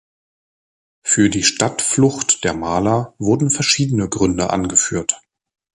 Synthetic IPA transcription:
fyːɐdiːʃtatflʊxtd̥eːɐmaːlɐvʊɐdn̩fɛɐʃiːdənəɡʁʏndəʔa̰nɡəfyːɐt

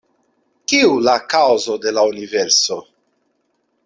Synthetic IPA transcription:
kiulakawzod̪e̞launiveɾso

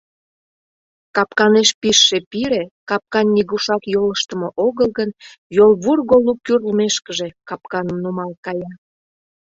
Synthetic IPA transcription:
kɑpkɑneʃpiʃːepiɾekɑp̚kɑnʲːiɣuʃɑkjoləʃt̪əmoʔoɣəlˠɣənjolβurɣolukyrlmeʃkəʒekɑpkɑnəmnumɑlkɑjɑ

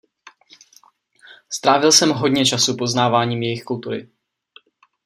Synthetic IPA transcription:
st̪ɾaːvɪlsɛmɦo̞dɲɛt͡ʃasupo̞znaːvaːɲiːmjɛjɪxkult̪uɾɪ̰

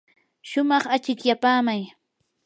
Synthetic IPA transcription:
ʃʊmɑχat͡ʃɪkjapaːmaj

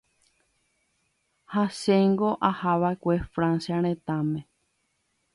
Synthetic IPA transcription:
haʃeŋɡo̞ʔahaʋaekʷe̞fɾãnsjaɾ̃ẽt̪ãmẽ

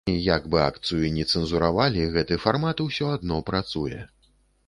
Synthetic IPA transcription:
ijaɡbɨa̰kt̪sɨjuinʲɛt̪sɛnzuɾavalʲiɣɛt̪ɨfarmat̪uwsʲɔad̪nɔpɾat̪sujɛ

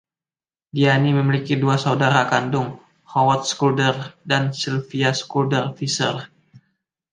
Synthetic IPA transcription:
dianiməmilikiduasaudaɾakandʊŋ | hɔwat̪̚skuldərdansilfiaskuldərfisər

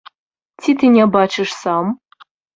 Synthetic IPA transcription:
tʰit̪ʰinʲɛbaːt͡ʃʰɨʂsam

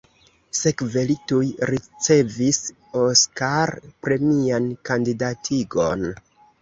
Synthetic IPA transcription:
se̞kve̞litujɾit͡se̞vis | o̞skaɾpɾe̞miankandidatʰiɡo̞̰n

